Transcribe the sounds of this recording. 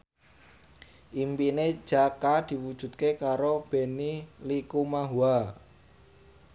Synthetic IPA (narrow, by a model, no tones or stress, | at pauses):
ʔimpine̥ʒ̥akad̪̥i̤wud̥ʒ̥ṳt̪̚kekaɾob̥e̤nilikumaɦua